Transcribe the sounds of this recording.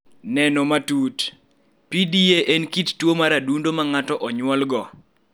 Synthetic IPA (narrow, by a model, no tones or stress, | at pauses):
nɛnɔmatut | pidieʔɛnkittwomaɾadundomaŋatɔʔɔɲwɔlɡɔ